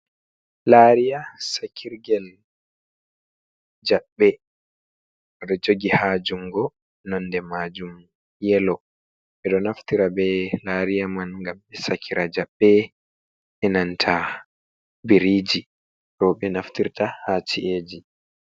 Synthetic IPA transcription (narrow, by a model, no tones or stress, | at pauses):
laɾijasakʰiɾɡɛl | d͡ʒaɓːɛ | ɗɔd͡ʒoɡihaːd͡ʒumɡɔ | nɔndɛmaːd͡ʒum | jɛlɔ | ɓɛɗɔnaftiɾabɛlaɾijamanŋɡamɓɛsakʰiɾad͡ʒaɓːɛ | ʔɛnantʰa | biɾid͡ʒi | tɔɓɛnaftiɾtahat͡ʃiʔeːd͡ʒi